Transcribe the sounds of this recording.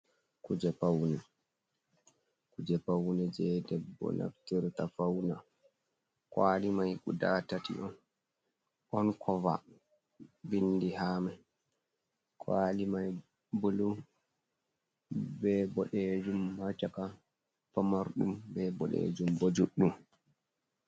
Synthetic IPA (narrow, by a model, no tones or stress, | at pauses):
kud͡ʒɛpawnɛ | kud͡ʒɛpawnɛd͡ʒɛdɛbːɔ̰na̰ftiɾtafawna | kwaːlimajɡudatatḭʔɔn | ʔɔnkʰɔva̰ | bindihaːma | kʰwalimaj | bolu | bɛbɔɗɛd͡ʒumhat͡ʃaka | pamaɾɗumbɛbɔɗḛd͡ʒumbod͡ʒuɗːum